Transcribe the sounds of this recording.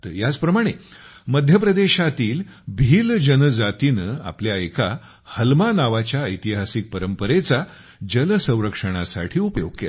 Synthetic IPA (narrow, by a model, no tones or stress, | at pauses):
t̪əjat͡spɾəmaɽ̃eməd̪ʱjəpɾəd̪eɕat̪iːlbʱiːld͡ʑənəd͡zat̪inəa̰pljaeka | həlmanaʋat͡ɕjaəjt̪iɦasik̚pəɾəmpəɾet͡sa | d͡ʑəlsə̃w̃ɾəkʂəɽ̃asa̰ʈʰiːupəjoɡkːḛ